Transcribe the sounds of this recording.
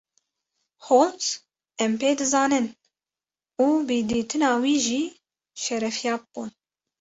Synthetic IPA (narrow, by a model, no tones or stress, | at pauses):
hoːls | ɛmpeːd̪ɨzɑːnɨn | uːbɨd̪iːt̪ɨnɑːwiːʒiː | ʃɛɾɛfjɑːbɨb̥uːn